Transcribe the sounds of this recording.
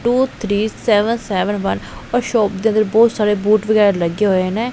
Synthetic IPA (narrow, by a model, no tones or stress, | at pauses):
ʈuːt̪ʰɾiːsɛːʋənsɛːʋənʋənɔːɾʃɔːp̚d̪eːə̃nd̪əɾbɔːt̪saːɾeːbuːʈbəɡɛːɾləɡeːɦoːeːnẽː